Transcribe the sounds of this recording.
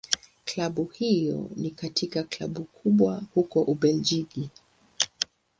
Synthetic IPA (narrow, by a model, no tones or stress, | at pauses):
klaɓuhijɔ̰nikatʰikakla̰ɓukʰuɓwahukɔʔuɓɛld͡ʒiɡi